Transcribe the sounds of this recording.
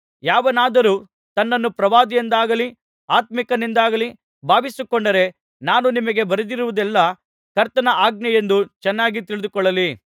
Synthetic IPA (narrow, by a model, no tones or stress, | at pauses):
jaːʋɐnaːd̪ɐɾuː | t̪ɐnːɐnːupɾɐʋaːd̪ijend̪aːɡɐli | aːt̪mikɐnind̪aːɡɐli | bʱaːʋisukɔɳɖɐɾe̞ | naːnunimɐɡe̞bɐɾɐd̪iɾuʋud̪ɛlːɐ | kɐɾt̪ɐnɐʔaːɡ̚nɐje̞nd̪ut͡ʃɛnːaːɡit̪iɭɪd̪ukɔɭːɐli